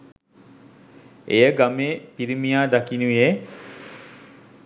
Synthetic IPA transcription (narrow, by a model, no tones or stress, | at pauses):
ejəɡameːpiɾimijaːd̪akinuʋie